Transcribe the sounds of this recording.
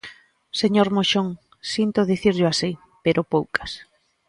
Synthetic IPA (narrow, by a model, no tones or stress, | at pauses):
seɲoɾmoʃoŋ | sint̪oðiθiɾʎʊasi | peɾʔopowkɐ̥s